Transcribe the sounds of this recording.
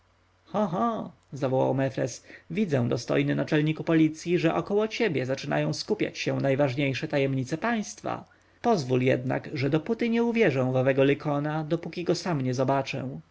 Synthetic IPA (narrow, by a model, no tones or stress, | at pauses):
xɔ̃ɦɔ | zavɔwa̰wmɛfɾɛ̰svʲid̪zɛ̃w̃d̪ɔst̪ɔ̰jnɘnat͡ʂɛlɲikupɔlʲit̪sʲjiʐɛʔɔkɔwɔt͡ɕɛbʲjɛzat͡ʂɘna̰jɔ̃w̃skupʲja̰t͡ɕɕɛnajvaʐɲejʂɛt̪ajɛmɲit̪sɛpaj̃st̪fa̰ | pɔzvuljɛ̰d̪na̰ɡʐɛd̪ɔput̪ɘɲɛuvʲjɛʐɔ̃w̃vɔvɛɡɔlɘkʰɔnad̪ɔpukʲiɡɔsamɲɛzɔbat͡ʂɛ̰̃